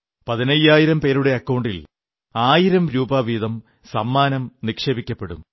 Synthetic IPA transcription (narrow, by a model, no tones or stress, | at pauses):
pɐðinɐjːaːjiɾɐmpe̞ːɾuɽe̞ɐkːɐwɳɖil | aːjiɾɐmɾuːbaːʋiːðɐm | sɐmːaːnɐmnikʂeːbikʲːɐpːe̞ɽṵm